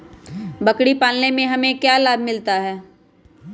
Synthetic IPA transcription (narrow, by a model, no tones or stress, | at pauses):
bɐkɽipaːlnemẽɦɐmẽkjaːlaːbmɪlt̪aɦɛː